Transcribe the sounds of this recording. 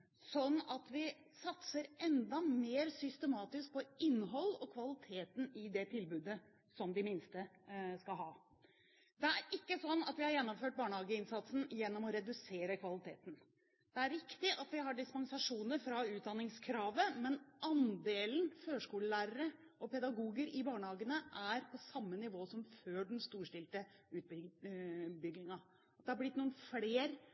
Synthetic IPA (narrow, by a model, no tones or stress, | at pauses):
sɔnːɑt̪ʋɪ | sɑt̪səɾʔɛnd̪ɑmeːɾsʏst̪əmɑːt̪ɪsk̚pʰɔɪnːɦɔlːɔkʰʋɑlɪt̪ʰeːt̪n̩ɪd̪ɛt̪ʰɪlbʉːd̪ə | sɔmd̪ɪmɪnst̪əskɑlɦɑː | d̪ɛæɾɪkːəsɔnːɑt̪ʋɪhɑɾjɛnːɔmføːʈ̚bɑːɳəhɑːɡəɪnsɑt̪sn̩jɛnːɔmɔɾɛd̪ʉseːɾəkʰʋɑlɪt̪ʰeːt̪n̩ | d̪̥ɛæɾɾɪkt̪ɪʔɑt̪ʋɪɦɑɖɪspɑnsɑʂuːnəɾfɾɑʉːt̪̚d̪ɑnːɪŋskʰɾɑːʋəmɛnʔɑnd̪eːln̩føːʂkuːləlæːɾəɾə | ʔɔpʰɛd̪ɑɡuːɡəɾɪbɑːɳəhɑːɡənəʔæɾpʰɔsɑmːənɪʋoːsɔmføːɖɛnst̪uːʂʈɪlt̪əʉːt̪̚ | bʏɡlɪŋɑ | ɑt̪̚d̪ɛhɑɾblɪt̪ːnuːnfleːɾ